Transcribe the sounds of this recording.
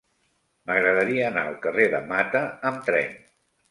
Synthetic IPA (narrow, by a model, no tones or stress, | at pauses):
məɣɾəðəɾiəːna̰əlˠkəreðəmat̪əəmt̪ɾɛ̰n